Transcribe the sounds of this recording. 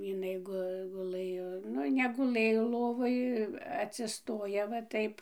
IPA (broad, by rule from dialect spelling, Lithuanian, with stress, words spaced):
jɪˈnɐɪ ˈɡʊ ɡʊˈlˠɘjoː ˈnʊ nʲɛɡʊˈlˠɘjoː ˈlˠoːʋoːj ɐtʲsʲɪˈstoːjɛ ʋɐ ˈtɐɪp